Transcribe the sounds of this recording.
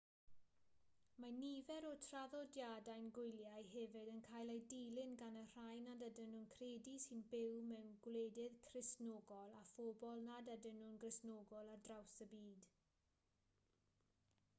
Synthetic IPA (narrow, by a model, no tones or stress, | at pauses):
manivɛɾɔtʰraðɔdjadajnɡʊjljajɦɛvɪdənkʰaːjlˠejdilɪnɡanər̥ajnadadənʊnkʰreːdisɪnbɪwmɛwnɡwleːdɪðkʰrɪsnɔːɡɔlˠafɔbɔlˠnadadənʊnɡrɪsnoːɡɔlˠadrawsəbiːd̥